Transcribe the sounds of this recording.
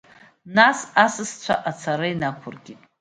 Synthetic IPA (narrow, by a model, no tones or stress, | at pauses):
nasasɨst͡ɕʷʰa̰ʔat͡sʰaɾɨinakʷʰʊrɡʲitʼ